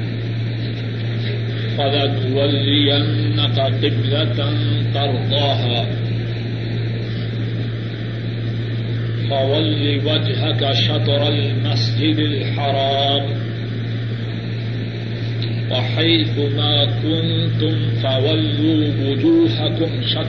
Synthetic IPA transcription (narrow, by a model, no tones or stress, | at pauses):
falat̪walːɪjanːakaqɪblant̪ɑɾˤd̪ˤɑːɦaː | fawalːiwad͡ʒɦakaʃɑd̪ˤɾˤalmasd͡ʒɪd̪alħɑɾˤɑːm | waħajθʊmaːkʊnt̪ʊmt̪awalːuːwʊd͡ʒuːɦakʊmʃɑ